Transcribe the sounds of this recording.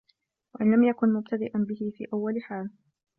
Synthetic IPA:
waʔɪnlamjakʊnmʊb̚t̪ʰad̪ɪʔanbɪhɪfḭːʔawːalħaːl

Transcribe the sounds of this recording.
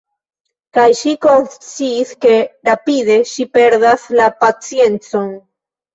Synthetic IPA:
kajʃiko̞nst͡siːske̞ɾapide̞ʃipe̞ɾdaslapat͡sije̞nt͡so̞n

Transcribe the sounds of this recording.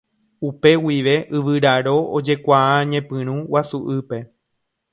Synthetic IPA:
upe̞wiʋe̞ʔɨʋɨɾaɾo̞od͡ʒe̞kʷaaɲẽ̞pɨ̃ɾ̃ũwasuʔɨpe̞

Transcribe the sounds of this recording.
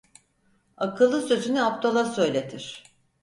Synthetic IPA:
akɯlˠːɯsøzynyapt̪ʰo̞lˠasø̞jlʲet̪ʰiɾ̥

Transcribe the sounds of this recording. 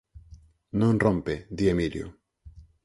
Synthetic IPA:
nõnrõmped̪iemiljo̰

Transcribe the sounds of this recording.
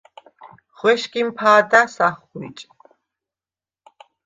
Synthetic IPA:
χwɛʃkimpʰaːd̪asaχuḭt͡ʃʼ

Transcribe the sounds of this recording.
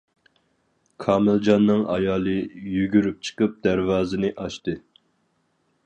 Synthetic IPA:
kʰɑːmɪld͡ʒɑnːɨŋɑ̰jɑːlˠɨjyɡʲyɾyp̚t͡ʃʰə̥qəp̚d̪æɾvɑːzɨnɨʔɑʃt̪ɨ

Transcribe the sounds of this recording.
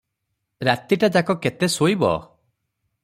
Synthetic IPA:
ɾat̪iʈad͡ʒakɔket̪esoibɔ̰

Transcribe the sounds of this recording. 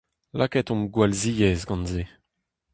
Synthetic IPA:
lʔa̰kɛt̪ɔ̃mɡwalzijɛzɡɑ̃nze

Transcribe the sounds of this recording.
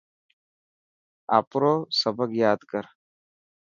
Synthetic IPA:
a̰ːpɾoːsɐbəkjaːd̪kɐɾ

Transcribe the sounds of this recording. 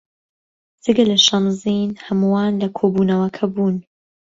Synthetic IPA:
d͡z̥ɨɡɐlɐʃɐnziːnhɐmuwaːnlɐkʰoːbuːnɐwɐkʰɐbuːn

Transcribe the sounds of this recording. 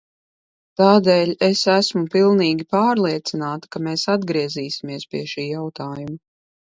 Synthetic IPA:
t̪aːd̪eːlʲesæsmupilˠniːɡʲipaːɾlˠiɛt̪sinaːt̪ḁkameːsad̪ɡɾiɛziːsʲimiɛspʲiɛʃiːjawt̪aːjuma

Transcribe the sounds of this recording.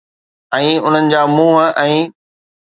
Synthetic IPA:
ɛ̃ːʊn̤ənɪ̆d͡ʑaːmũːɦɛ̃ː

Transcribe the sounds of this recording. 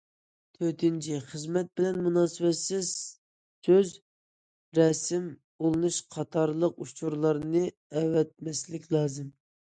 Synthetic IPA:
t̪ʰøɾt̪ɪnt͡ʃʰiχəzmɛt̪̚bɪlɛnmunɑːsɨwɛt̪sɪz̥ | søz | ɾɛsɪm | olˠɨnuʃqʰɑt̪ʰɑɾlˠəqut͡ʃʰuɾlˠɑɾnɨ | ɛwɛt̪̚mɛslɪkʲlˠɑːzɨm

